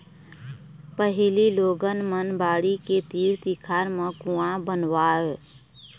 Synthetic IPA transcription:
pəɦɪliːloːɡənmənbaːɽiːkeːt̪iːɾt̪iːkʰaːɾmãːkũːãːbənʋaːɦeː

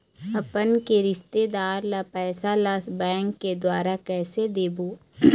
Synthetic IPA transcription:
ɐpənkeɾɪʃt̪ed̪aːɾlapɛːsalasbɛ̃ːŋkːed̪waːɾakɛːsed̪eːboː

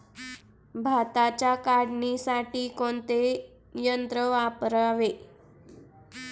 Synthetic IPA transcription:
bʱat̪at͡ɕakaɽnisaʈiːkoɳt̪e | jənt̪ɾəʋapɾaʋe

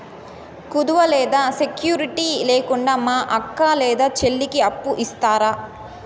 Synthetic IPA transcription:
kud̪uʋɐlɛːd̪aːsekjuːɾiʈiːlɛːkuɳɖaːmaːʔɐkːaːlɛːd̪aːt͡ʃelːikiɐpːuʔist̪aːɾaː

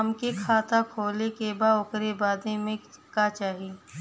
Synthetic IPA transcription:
ɐmkekʰaːt̪akʰoːlekebaʊkɾebaːd̪emẽkat͡ʃaːɦi

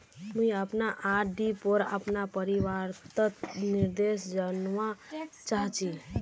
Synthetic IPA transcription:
muiəpnaʔaɖipoɾə̰pnapəɾiʋaɾt̪ət̪niɾd̪esd͡ʒənʋat͡ʃaɦt͡ʃi

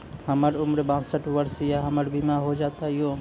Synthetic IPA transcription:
həməɾʊmɾbãːsəʈʰʋəɾsjaɦəməɾbɪmaɦod͡ʒaːt̪aɦɪɦo

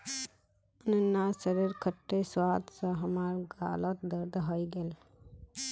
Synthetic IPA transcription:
ənənːasəɾeɾkʰəʈːeswaːt̪sə̃ɦəmaːɾɡa̰ːlət̪̚d̪əɾd̪ɦəjɡel

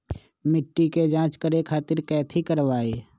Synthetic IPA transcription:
mɪʈːiked͡ʒãːt͡ʃkəɾekʰaːt̪ɪɾkɛːt̪ʰikəɾʋaːeː

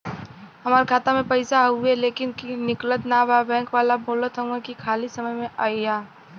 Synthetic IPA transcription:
ɦɐmaːɾekʰaːt̪amẽpɐɪsaɦueleːkɪnkinɪklət̪nababɛ̃ːŋkʋaːlabʱoːlət̪ɦə̃ekikʰaːlisɐməjmẽʔaːiaː

